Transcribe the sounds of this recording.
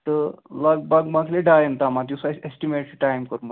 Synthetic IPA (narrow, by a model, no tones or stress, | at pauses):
t̪əlaɡ̚baɡmakʰleɖajent̪amat̪isaesʈimeʈʈajmkəɾmə